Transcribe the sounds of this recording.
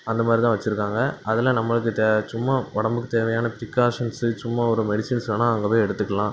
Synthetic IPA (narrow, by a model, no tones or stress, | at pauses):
ɐnd̪ɐmaːd̪ɾɪt̪ãːʋɐt͡ʃːɪɾɯkːaːŋɡɐʔɐðɪlɐnɐmːɐɭɯk̬ːɯt̪ːt͡ʃʊmːaɔɽɐmbɯkːɯt̪eːʋɐjaːnɐpɪɾɪkːaːʂɐnsɯt͡ʃʊmːaɔɾɯmɛɽɪsɪnsnːaːɐŋɡɐpeːɛɽɯt̪ːɯkːɐlãː